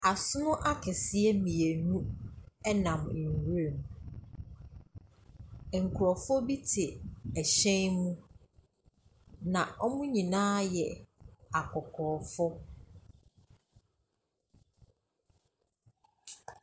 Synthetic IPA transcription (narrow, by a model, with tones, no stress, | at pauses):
a˨sʊ˦nʊ̃˦ʔa˦kʰɛ˨sɪ˦ɛ˦mĩ˨e˨nũ˦ɛ˦nã˨m̩˨hu˦ɾe˨m˨ | ŋ̩˨kʰu˨ɾɔ˨fɔ˦bi˦tʰɪ˨æ˨ɕɛ̃˦nmũ˦ | nã˨ʔɔ˦mʊ̃˦ɲĩ˨nãː˦jɛ˨a˨kʰɔ˨kʰɔː˨fɔ˦